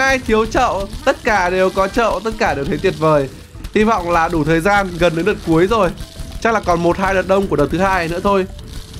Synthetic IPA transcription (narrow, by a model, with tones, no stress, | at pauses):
aː˧jt̪ʰi˨˦əwt͡ɕə̰˧˨wt̪ə˦˥t̚kaː˧˩ɗe˨˩wkɔ˨˦t͡ɕə̰ː˧˨wt̪ə˦˥t̚kaː˧˩ɗe˨˩wt̪ʰe˨˦t̪wi˨˩ət̚vəː˨˩j | hi˧vɔ̰˧˨wŋ͡mlaː˨˩ɗu˧˩t̪ʰəː˨˩jzaː˧nɣə˨˩nɗəː˨˦ɗə˨˩t̚ku˨˦əjzo˨˩jt͡ɕa˦˥k̚laː˨˩kɔ˨˩nmo˨˩t̚haː˧jɗəː˨˩t̚ɗə˧wŋ͡mku˧˩əɗə˨˩wt̪ʰɨ˨˦haː˧jnɨ̰˧˥ət̪ʰo˧j